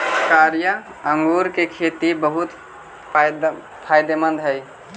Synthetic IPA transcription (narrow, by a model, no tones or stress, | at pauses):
kaːɾjə | əŋɡuɾkekʰeːt̪ibəɦut̪ | pʰaːɪd̪emə̃nd̪ɦɛj